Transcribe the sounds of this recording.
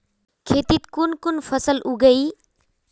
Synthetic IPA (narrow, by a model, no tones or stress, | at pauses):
kʰeːt̪it̪kʊnkʊnfʰəsəlʔuɡəiː